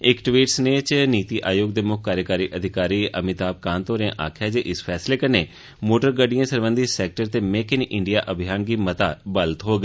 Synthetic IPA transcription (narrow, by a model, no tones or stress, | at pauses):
ɪkʈʋiːʈsneːt͡ʃniːt̪iːʔaːjoːɡ̚d̪eːmʊk̚ʰkːaːɾjəkaːɾiːʔəd̪ʱɪkaːɾiːə̰mɪt̪aːb̚kaːnt̪oːɾãʔa̰ːkʰjaːd͡ʒeːʔɪspʰɛːsleːkəneː | moːʈəɾɡəɖijãːsəɾʋə̃nd̪iːsɛːk̚ʈəɾt̪eːmeːkɪnʔɪɳɖijaːʔəbʱɪjaːnɡiːmət̪aːbəlt̪ɦoːɡ